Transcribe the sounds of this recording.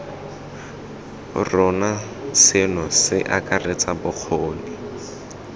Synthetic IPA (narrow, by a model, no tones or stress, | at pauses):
rɔna | sɪnɔsɪʔakʼaret͡sabʊq͡χʰoːnɪ